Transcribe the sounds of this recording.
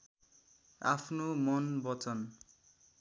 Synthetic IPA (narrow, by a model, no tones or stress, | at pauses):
a̰pʰnomʌnbʌt͡sʌn